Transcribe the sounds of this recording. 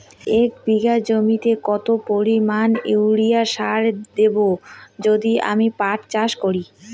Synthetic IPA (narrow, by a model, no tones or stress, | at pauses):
ekbiɡad͡ʑomit̪ekɔt̪opoɾimanewɽijaʃaɾd̪ebod͡ʑod̪ia̰mipaʈt͡ɕaʃkoɾi